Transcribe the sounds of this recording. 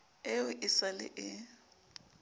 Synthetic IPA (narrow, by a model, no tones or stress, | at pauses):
ɪʊʔɪsalɪ̰ʔɪ